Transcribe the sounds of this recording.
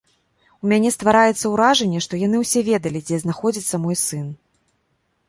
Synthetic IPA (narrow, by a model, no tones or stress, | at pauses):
umʲanʲɛst̪vaɾajɛt̪sɐwɾaʐɛnʲːɛʂt̪ɔjanɨwsʲɛvʲɛd̪ɐlʲid͡zʲɛznaxɔd͡zʲit̪sːɐmɔjsɨn